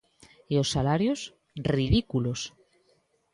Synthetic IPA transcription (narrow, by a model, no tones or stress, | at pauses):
eosalaɾjos | riðikulos